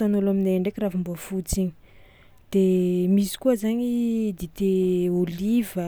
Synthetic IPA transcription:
t̪anulamineɳɖ͡ʐekʲirafumbuafut͡siɲi̥ | d̪̥emisi̥kuəzaɲid̪it̪eolivə

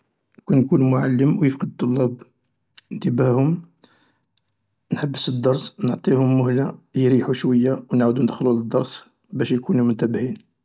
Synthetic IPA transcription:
nkunjkunmʊʕalːəmwjəfqəd̪̚t̪ˤːolːɑb | ənt̪əbæhʊm | nħəbːəsəd̪ːɑɾˤsnʕt̪ˤihʊmːʊhlajɾiħuʃwəjːawnʕuwd̪unəd̪xluləd̪ːɑɾˤs | bæʃjkunumʊnt̪æbhin

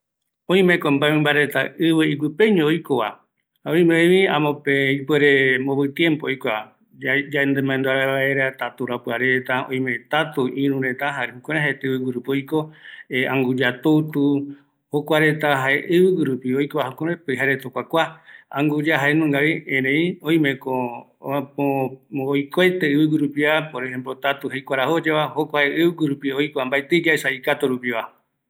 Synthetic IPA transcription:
õj̃mẽkõmbamẽmbaɾet̪a̰ɨβɨik̬ɨpeɲõojkoβa̰ | haoj̃mẽβiãmõpeipweɾemoβɨt̪jẽmpoojkʷa | d͡ʒaend̪emãẽnd̪uaɾaβaeɾat̪at̪uɾapɨaɾet̪aõj̃mẽt̪at̪uʔĩɾũɾet̪aɦaɾkoɾ̃ẽɦaet̪βɨwɨɾupojkoeãŋɡud͡ʒat̪ut̪u | hokʷaɾe̞t̪aɦaeʔɨβɨɡiɾupiojkoβaɦokoɾẽpɨɦaɾet̪okʷakʷaã̰ŋɡud͡ʒaɦaenũŋɡaɾiẽɾẽĩõj̃mẽko | oojkoet̪eɨβɨɡiɾupiapoɾeembɾot̪at̪uhejkʷaɾahod͡ʒeβahokʷaeʔɨβɨɡʷiɾupiojkoambaet̪ɨd͡ʒaesaikat̪oɾupiβa

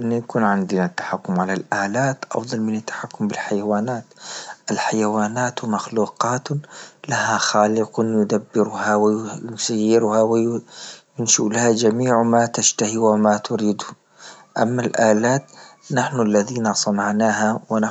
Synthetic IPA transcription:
ʔɪnːajakuːnʕɪnd̪ɪnat̪ːḁħakːʊmʕalalʔaːlaːt̪ʔɑ̰fðˤɑlmɪnat̪ːḁħakːʊmbɪlħajawaːnaːt̪ʔalħajawaːnaːt̪maxluːqɑːt̪lahaxaːlɪqʊnjʊd̪abːɪɾʊhawɪjʊsajːɪɾhawɪjjʊnʃulahad͡ʒamiːʕmat̪aʃt̪ahiwɪmat̪ʊɾiːd̪ | ʔamːalʔaːlaːt̪naħnualːaðiːnasˤɑnɑʕnaːɦawɪna

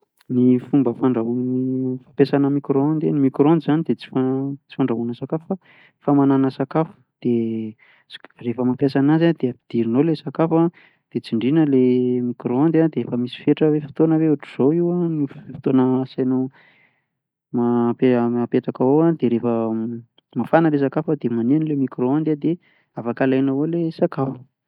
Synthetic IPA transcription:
nifumbəfaɳɖ͡ʐaɦunnifapesanəmikɾond̪enimikɾond̪izanid̪et͡si̥fat͡si̥faɳɖ͡ʐaɦunəsakafufa | famananəsakafu̥d̪̥e | refəmapjasanazad̪̥eapi̥d̪̥iɾinolesakafa | d̪̥et͡siɳɖ͡ʐinəlemikɾoand̪ad̪eefəmisi̥feʈ͡ʂəwefi̥t̪onəweuʈ͡ʂiz̥owiwaniffi̥t̪onəsajno | mapeapeʈ͡ʂakaoad̪eɾefə | mafanəles̬akafad̪emaneanilemikɾoand̪ad̪e | afakalajnawolesakafə̥

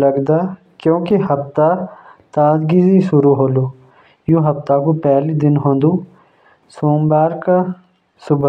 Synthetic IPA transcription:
lɐɡd̪aː | kjõːkeɦɐpt̪at̪aːd̪ɡiziʃʊɾuɦoːluː | jũɦɐpt̪akupɛɦlid̪ɪnɦõːnd̪uː | soːmbaːɾka | sʊbʱ

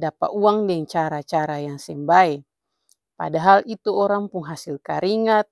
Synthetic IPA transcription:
dapa̰ʔuaŋdɛŋt͡ʃaɾat͡ʃaɾajaŋsɛmbaɛ | pa̰daɦalit̪uɔɾaŋpuŋɦasilkaɾiŋat̪̚

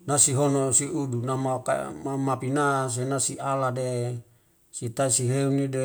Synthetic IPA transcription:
nasiɦonosiudunamaka̰mamapinas̬enasiʔalade | sit̪asiɦeunide

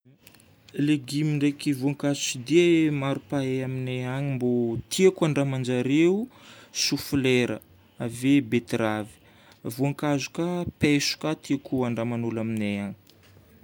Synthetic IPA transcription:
leɡimiɳɖ͡ʐekivuaŋkazusid̪emaɾupaeamineaɲimbot̪ʰiakuaɳɖ͡ʐamand͡ʒaɾeusufleɾə̰ | avebet̪ɾavi̥ | vuaŋkazu̥kapesu̥kat̪iakuaɳɖ͡ʐamanulamineaɲi̥

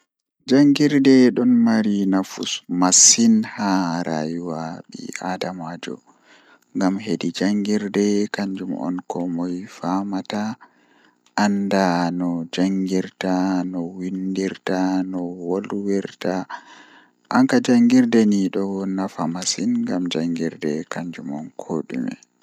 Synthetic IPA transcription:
d͡ʒaŋɡiɾdɛɗɔnmaɾinafṵsmasinhaɾa̰juwaɓḭadamad͡ʒɔ̰ | ŋɡamhedid͡ʒaŋɡiɾdɛkaɲd͡ʒumɔ̰nkʰɔmɔjfamata | ʔandanɔd͡ʒaŋɡiɾtanɔwindiɾtanɔwolwiɾta | ʔaŋkad͡ʒaŋɡiɾdɛniɗɔnafamasinŋɡamd͡ʒaŋɡiɾdɛkaɲd͡ʒumɔ̰nkʰoɗṵmɛ̰

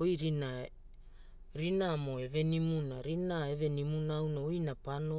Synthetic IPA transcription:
ojɾina | ɾinamoeve̞nimunaɾinaeve̞nimunawnaojnapano

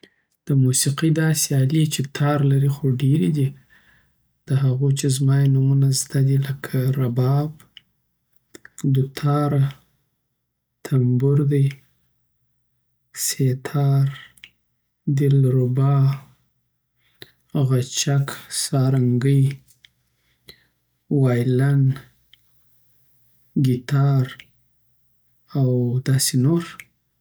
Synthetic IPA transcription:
d̪̥əmusiqid̪ɑseɑlit͡ʃet̪ʰɑɾlaɾixoɖeɾid̪i | d̪̥əɦaɣot͡ʃezmɑjenumunazd̪ad̪iləkʰaɾabɑb | d̪ʊt̪ʰɑɾa | t̪ʰambʊɾd̪aj | set̪ʰɑɾ | d̪ɪlɾʊbɑ | ɣat͡ʃaksɑɾaŋɡəj | wɑjlan | ɡit̪ɑɾ | awd̪ɑsenoɾ

